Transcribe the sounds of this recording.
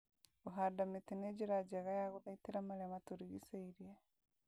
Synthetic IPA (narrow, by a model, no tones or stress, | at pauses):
uɦadamitineɟiɾaɟaɣajaɣuðaitiɾamalematuɾiɣḭseiɾje